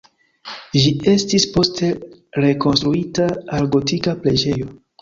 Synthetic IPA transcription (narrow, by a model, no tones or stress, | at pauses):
d͡ʒie̞stispo̞stʰe̞ɾe̞ko̞nstɾuitaːlɡo̞tikaple̞d͡ʒe̞jo̞